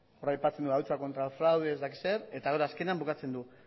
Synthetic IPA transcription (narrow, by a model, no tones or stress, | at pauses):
orajpat͡se̞nd̪uawt͡sako̞nt̪ɾalfɾawðeezd̪aki̥seɾe̞t̪aɣeɾaːskeneambukat͡se̞nd̪u